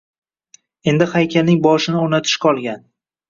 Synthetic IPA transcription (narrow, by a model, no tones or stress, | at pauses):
e̞nd̪ɪhajkʲʰalnɪŋbɒʃɪnɪonat̪ʰɪ̥ʃqʰɒlˠɡʲan